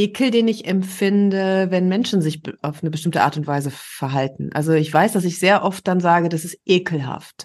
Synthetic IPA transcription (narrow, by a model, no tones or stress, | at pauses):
ʔeːkʰl̩deːnɪçɛmfɪndəvɛnmɛnʃn̩zɪçʔaʊfnəbəʃtɪmtəʔa̰ɐtʊntv̥aɪzəfɛɐɦaltn̩ʔa̰lzoɪçv̥aɪsd̥as̬ɪçz̥eːɐʔɔft̚d̥anzaːɡədasɪst̚ʔeːkʰl̩ɦa̰ft